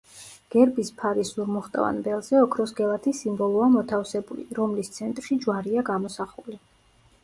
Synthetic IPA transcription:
ɡ̥ɛɾbispʰaɾisuɾmɔχt̪ʼa̰va̰nbɛlˠzɛɔkʰɾɔsɡɛlˠat̪ʰisimbɔlˠuamɔt̪ʰafsɛbulḭɾɔmlist̪sʰɛnt̪ʼɾʃid͡ʒwaɾiaɡamɔsaχuli

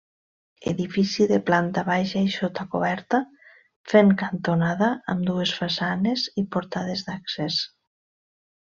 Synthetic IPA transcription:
ḛðifisiðeplant̪aβajʃaiʃot̪akoβɛɾt̪a | feŋkant̪onaðaːmd̪uesfasanezipoɾt̪að̞ezðakses

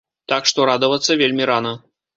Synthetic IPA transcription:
t̪akʂt̪ɔɾad̪ɐvɐt̪sːɐvʲelʲmʲiɾanɐ

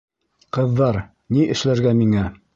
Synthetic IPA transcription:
qɤ̆ðːɑɾ | niʔɘ̆ʃlæɾɡæmiŋæ

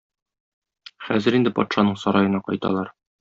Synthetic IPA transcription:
χæzɘɾind̪ɘpɒ̰t̪ʃɑnɤɴsɒɾɑjɤ̆nɑqɒ̰jt̪ɑ̰lˠɑɾ

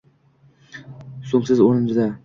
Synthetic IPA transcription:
somsɪzoɾɪnzd̪a

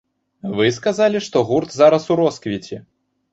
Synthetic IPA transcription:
vɨskazalʲiʂt̪ɔɣurt̪zaɾɐsuɾɔskvʲit͡sʲɛ

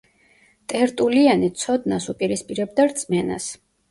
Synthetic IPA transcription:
t̪ʼɛɾt̪ʼulianit̪sʰɔd̪nasupʼiɾispʼiɾɛb̚d̪aɾt̪sʼmɛna̰s

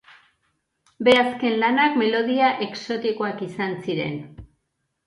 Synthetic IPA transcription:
be̞aske̞nlanakme̞lo̞ð̞iaʔe̞kso̞t̪iko̞akisansiɾe̞̰n

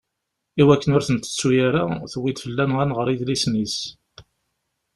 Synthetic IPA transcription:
iwækːənʊɾθənt̪ə̥t͡sːujaɾaθəwːid̪fəlːænʁænʁəɾˤiðlisnis

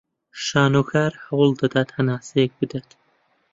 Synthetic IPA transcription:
ʃaːnokʰaːɾhɐwlˠd̪ɐd̪at̪hɐnaːsek̚bɨd̪at̪

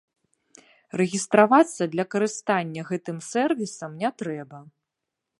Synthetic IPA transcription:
rɛɣʲist̪ɾavat̪sːɐd̪lʲɐkɐɾɨst̪anʲːɐɣɛt̪ɨmsɛrvʲisɐmnʲɛt̪ɾɛbɐ

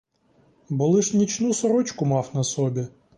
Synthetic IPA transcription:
bɔlˠɪʃnʲit͡ʃnusɔɾɔt͡ʃkʊmɑwnɐsɔbʲi

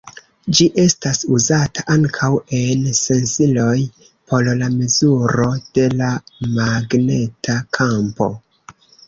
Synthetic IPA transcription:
d͡ʒiʔe̞stasuzataʔaŋkʰawe̞nse̞nsilo̞j | pʰo̞llame̞zuɾo̞d̥e̞lamaɡne̞tʰakʰampo̞̰

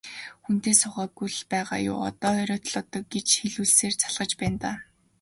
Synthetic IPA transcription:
xun̥t̪eːsʊχæːɡujɮpæːʁa̰ːjʊ̰ːɔ̰t̪ɔːœɾʲɔːt̪̆ʰɮʊt̪ɞ̆k̚ɡet͡ɕxeɮuːɮseːrt͡sʰaɮʁə̆t͡ɕpæːnt̪aː

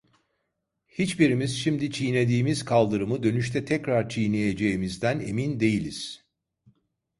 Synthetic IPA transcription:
hit͡ʃbiɾimiz̥ʃimd̪it͡ʃʰijne̞d̪iːmizkʰalˠd̪ɯɾɯmɯd̪ø̞nyʃt̪ʰɛt̪ʰɛcɾaɾt͡ʃʰijnejed͡ʒe̞jimizd̪æne̞̰mind̪e̞jilʲiz̥

